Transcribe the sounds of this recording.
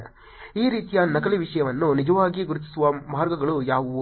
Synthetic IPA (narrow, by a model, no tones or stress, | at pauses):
iːɾiːt̪ijanɐkɐliʋiʂɐjɐʋɐnːunid͡ʒɐʋaːɡiɡuɾut̪i̥suʋɐmʱaːɾɡɐɡɐɭujaːʋu